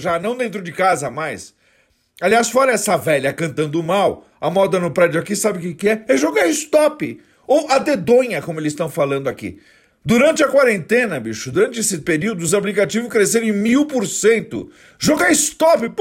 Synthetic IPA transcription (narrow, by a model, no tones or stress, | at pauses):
ʒanɐ̃w̃d̪ẽnt̪ɾʊd͡ʒɪkazɐmajs | aliasfɔɾɐɛsɐvɛʎɐkɐ̃nt̪ɐ̃nd̪ʊmaw | ɐmɔd̪ɐnʊpɾɛd͡ʒʊakisabɪʊkɪkɪɛɛʒɔɡɐɪst̪ɔpɪ | owʔɐd̪ed̪õɲɐkõmʊelɪzst̪ɐ̃w̃falɐ̃nd̪ʊakḭ | d̪uɾɐ̃nt͡ʃɪɐkwaɾẽnt̪ẽnɐbiʃʊd̪ʊɾɐ̃nt͡ʃɪesɪpeɾiwd̪ʊʊzaplikat͡ʃivʊskɾeseɾ̃ẽmiwpoɾsẽnt̪ʊ̰ | ʒɔɡɐɪst̪ɔpɪp